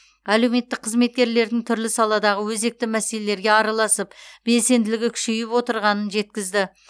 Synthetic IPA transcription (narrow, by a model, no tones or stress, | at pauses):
æle̞wme̞t̪ːɪk̚qʰəzme̞t̪̚kʲe̞ɾle̞ɾd̪ɪŋt̪ʰʏɾlɪsɑlˠɑd̪ɑʁəwɵze̞k̚t̪ɪmæse̞le̞le̞ɾɡʲe̞ɑɾɑlˠɑsəpb̥e̞lse̞nd̪ɪlɪɡʲɪkʲʰʏ̥ʃejɪpwo̞t̪əɾʁɑnənʒe̞t̪̚kʲɪzd̪ɪ